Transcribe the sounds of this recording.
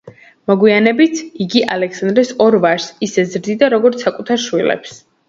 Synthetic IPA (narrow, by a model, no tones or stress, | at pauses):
mɔɡwianɛbit̪ʰiɡiʔalɛksand̪ɾɛsɔɾvaɾsisɛzɾd̪id̪aɾɔɡɔɾt̪sʰakʼut̪ʰaɾʃwilɛ̰ps